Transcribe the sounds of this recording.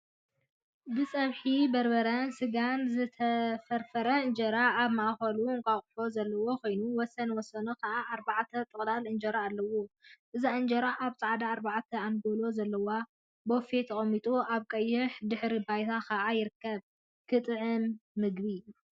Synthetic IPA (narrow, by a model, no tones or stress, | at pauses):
bɨsʼɐβħibɐɾbɐɾɐnsɨɡanzɨt̪ʰɐfɐɾfɐɾɐɨnd͡ʒɐɾaaβmaʔaxɐluŋkʼaχʼħo̞zɐlːɐwo̞kʰo̞jnuwɔsɐnwɔsːɐnukʰaʔaʔːɾbaʕt̪ʰɐt̪ʼɨχʼlalɨnd͡ʒɐɾaːlːɐwoʔɨzaɨnd͡ʒɐɾaʔaβsʼaʕd̪aːɾbaʕt̪ʰɐanɡolo̞zɐlːɐwa | bofet̪ʰɐkʼɐmːit̪ʼuaβkʼɐjːɨħd̪ɨħɾibajt̪ʰakʰaʔajɪɾɨkːɐβ | kʰɨt̪ʼɨʕɨnːɨɡbi